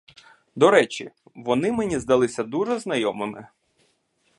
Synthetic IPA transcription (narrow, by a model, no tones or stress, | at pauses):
d̪ɔɾɛt͡ʃʲḭ | ʋɔnɪmenʲizd̪ɐlˠɪsʲɐd̪uʐɛznɐjɔmɪmɪ